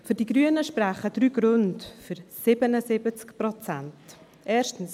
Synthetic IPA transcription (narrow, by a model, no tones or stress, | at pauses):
fʏɾdiɡɾyːənəʃpraχədɾyːɡɾøntfʏɾsɪbənəsɪbət͡skprɔt͡sant | ʔɛːɾʃtn̩s